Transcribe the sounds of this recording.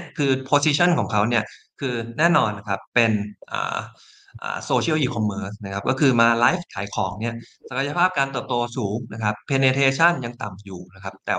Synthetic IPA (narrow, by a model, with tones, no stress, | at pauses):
kʰɯː˧pʰoː˧siː˧t͡ɕʰa˥˩nkʰɔː˩˦ŋkʰa˦˥wni˥˩ɐ | kʰɯː˧nɛː˥˩nɔː˧nːa˧kʰa˦˥pːe˧nʔa̰ː˨˩ | ʔa̰ː˨˩soː˧t͡ɕʰi˥ə˩wjiː˧˩kʰɔ˧mːɤː˧˥sna˦˥kʰa˦˥p̚kɔː˥˩kʰɯː˧maː˧laː˦˥jfk̪ʰaː˩˦jkʰɔː˩˦ŋni˥˩ɐsa˧˩kʰa˧ja˧pʰaː˥˩p̚kaː˧nt̪ɤː˨˩p̚t̪oː˧suː˩˦ŋna˦˥kʰa˦˥pʰːeː˧neː˧t̪ʰeː˧t͡ɕʰa˥˩nja˧ŋt̪a˨˩mjuː˨˩na˦˥kʰa˦˥p̚t̪ɛ̰ː˨˩